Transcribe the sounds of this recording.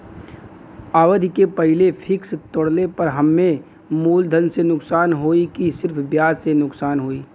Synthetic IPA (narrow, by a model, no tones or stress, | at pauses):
aːʋəd̪ʱkepɐɦɪlepʰɪkst̪oɽlepɐɾɦɐmːẽ | muːld̪ʱənsenʊksaːnɦoːikisɪɾpʰbjaːzsenʊksaːnɦoːiː